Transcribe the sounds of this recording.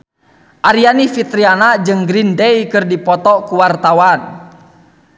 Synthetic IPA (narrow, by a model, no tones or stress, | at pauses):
ʔaɾianifit̪ɾianad͡ʒɨŋɡɾindɛjkɨrdipɔt̪ɔkuwart̪awan